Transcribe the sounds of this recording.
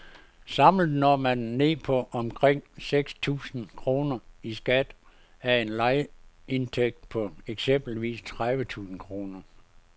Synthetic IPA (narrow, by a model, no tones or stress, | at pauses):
sɑ̈mlð̩ˠnɒmænːe̝̰ːpʰɒ̽ʔɒ̽mkʰʁeŋ̰seɡ̥st͡sʰṵːsn̩kʰʁo̝ːnɐisɡ̥æd̥ | æɐe̝nlɑ̈ɪe̝nt͡sʰeɡ̥̚d̥̚pʰɒ̽eɡ̥sem̰b̥l̩ʋḭːst͡sʰʁaʋət͡sʰṵːsn̩kʰʁo̝ːnɐ